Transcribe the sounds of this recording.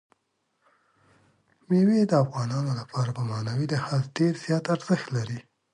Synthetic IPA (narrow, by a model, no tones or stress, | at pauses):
mewed̪əafɣɑnɑnolapʰɑɾabəmɑnawid̪əhalɖeɾz̥jɑt̪aɾz̥əxt̪laɾi